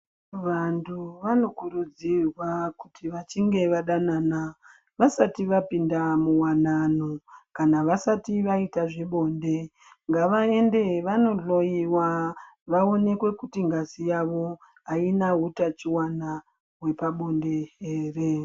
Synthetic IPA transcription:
ʋantʰuʋano̞kuɾud͡zirwakutʰiʋat͡ʃiŋɡe̞ʋaɗanana | ʋasatiʋapindamuwananokanaʋasatiʋaitaʐiɓo̞ːnde̞ | ŋɡaʋae̞nde̞ʋano̞ɮo̞jiwa | ʋao̞ne̞kwe̞kutiŋɡasijaʋo̞ | ainaɦutat͡ʃiwana | we̞paɓo̞nde̞ɦeːre̞

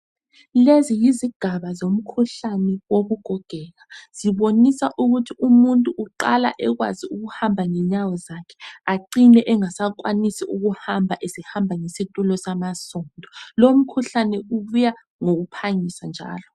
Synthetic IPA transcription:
lezijiziɡ̥ʱaβazom̩kʰuɬanɛwoβuɡ̥ʱɔɡ̥ʱɛɣaz̥iβonisaʔuɣutʰiʔumuntʼuʔːǃala̰ʔɛɣwa̰ziuɣuhambʱaŋɛɲawɔzakʰɛ̥aǃinɛʔɛŋasak̬ʼwanisiuɣuhambʱaʔesihambʱaŋisitʼulɔsamasɔndʱɔlom̩kʰuɬanɛuβuja | ŋoɣupʰaŋisand͡ʒʱa̰ːlɔ

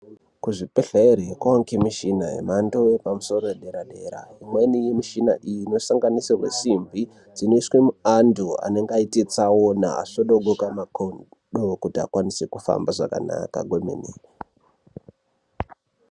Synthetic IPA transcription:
kuʐipeɬaeɾeekwawaŋkemiʃinaɦḛmandojepamuso̞ɾoeɗe̞ɾaɗe̞ɾa̰imwe̞nijimiʃina̰ʔijino̞saŋɡanisirwe̞̰simbʱi | d͡zino̞iswemuandua̰ne̞ŋɡaitet͡sawona̰ːsoɗoɡokamakon | ɗokutia̰kwanisekufa̰mbaʐa̰ka̰na̰ka̰ɡʱomḛneːre

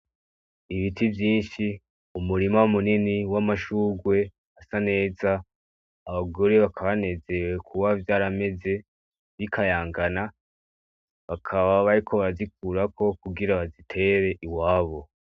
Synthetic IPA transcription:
iβitʰivjiːnʃi | umuɾimaumuniniwamaʃuːɡwe̞ | asane̞ːzaː | βaɡo̞ɾe̞βakʰaβane̞ze̞we̞kʰuβavjaːɾame̞ze̞ | βikʰajaːŋɡana | βakʰaβaβaɾikʰo̞βaɾazik̚uɾakʰo̞kuɡiɾaβazitʰe̞ɾe̞ʔiwaːβo̞

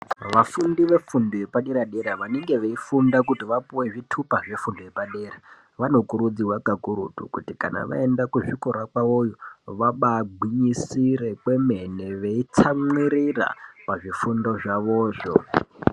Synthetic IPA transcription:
ʋafundiʋe̞fundoje̞paɗeɾaɗe̞ɾaʋaneŋɡe̞ʋeifundakutiʋapuweʐitʰupaʐe̞fundojepaɗe̞ːra | ʋano̞kuɾud͡ziwakakuɾṵtṵkutika̰na̰ʋa̰e̞ndakuʐikoɾakwaojoʋaɓaɡʱwiɲisiɾe̞kwe̞me̞ne̞ʋeit͡samwiɾira̰paʐifundo̞ʐaʋo̞ːʐo

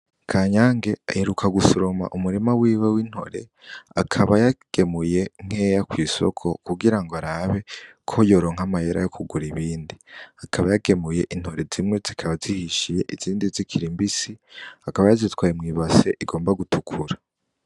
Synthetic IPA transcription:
kʰaːɲaːŋɡe̞aheɾukʰaɡusoɾoma̰ʔumuɾemawiːwewin̥ho̞̰ɾe̞̰ | akʰaβajaɡ̥e̞muje̞ŋ̥e̞jakwiːso̰kʰo̞kuɡiɾaŋɡoaɾaβe̞ | kʰojo̞ːɾoːŋ̥amajeɾa̰jo̞kuɡuɾiβiːndiakʰaβajaɡe̞muje̞ʔin̥ho̞ɾe̞zimŋe̞zikʰaβazihiʃije̞ʔiziːndizikʰiɾimbisiakaβajazitwaːjemŋiːβase̞ʔiɡo̞ːmbaɡutukʰuɾa

